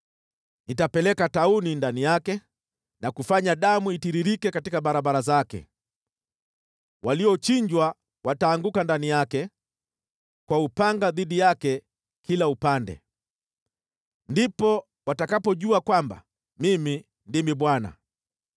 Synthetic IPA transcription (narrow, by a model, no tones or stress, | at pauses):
nitapɛlɛkataunindanijakɛ | nakufaɲaɗamuitiɾiɾikɛkatikaɓaɾaɓaɾazakɛ̰ | wʔaliɔt͡ʃiɲd͡ʒwa | wataːŋɡukandanijakɛ | kwaupaŋɡaðiɗijakɛ | kilaupandɛ̰ | ndipɔ | watakapɔʄuakwamba̰ | mimi | ndimiɓwana̰